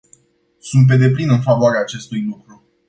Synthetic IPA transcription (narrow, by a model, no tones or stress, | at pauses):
sunt̪̚p̬e̞d̪e̞plinɨnfavoaɾeaːt͡ʃe̞st̪ujlukɾu